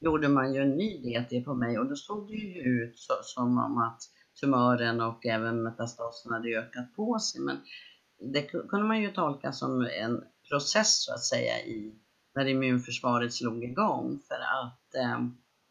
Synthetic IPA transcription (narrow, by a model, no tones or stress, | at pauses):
juːɖəmanjɵɛnːyːd̪eːt̪ʰɪpʰɔmɛjɔd̪ɔsoːɡ̚d̪ɛjɵjɵʉ̟ːt̪sɔsɔmɔ̰mat̪ | t̪ʰɵmœːɾənɔkɛːvənmɛt̪ast̪ɑːsənhad̪ːəøːkat̪̚pʰɔsɛjmɛ̰n | d̪ɛkʰɵnd̪əmanjɵt̪ʰɔlkasɔ̰mɛ̰npʰɾʊsɛsːɔa̰t̪sɛ̰jːa̰ʔɪ | næɾɪmʉ̟ːnfœʂvɑːɾət̪sluːɡɪɡɔŋːfœɾa̰t̪